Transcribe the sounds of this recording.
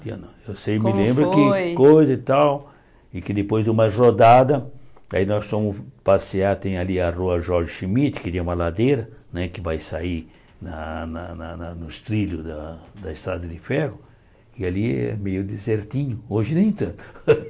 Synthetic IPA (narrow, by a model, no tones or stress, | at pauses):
iɐ̰nɐ̰̃ewsejmɪlẽmbɾʊkɪkojzɐit̪aw | ɪkɪd̪ɪpojzd̪ɪũmɐrod̪ad̪ɐa̰inɔsfõmʊspaseat̪ẽj̃aliaruɐʒɔɾʒɪʃimit̪ɪ̥kɪt̪ẽũmɐlad̪ejɾɐnɛkɪvajsai | nɐnɐnanɐnʊst̪ɾiʎʊd̪ɐd̪ɐɪst̪ɾad̪ɐd̪ɪfɛhʊ | ɪaliɛ̰mejʊd̪ezeɾt̪ĩɲʊoʒɪnẽj̃t̪ɐ̃nt̪ʊ̥